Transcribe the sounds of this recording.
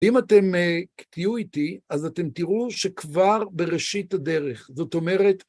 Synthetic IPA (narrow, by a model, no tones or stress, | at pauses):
imate̞mekt̪ijuitiazate̞mt̪iʁuʃekvaʁbe̞ʁeʃithade̞ʁe̞χzo̞t̪o̞me̞ʁet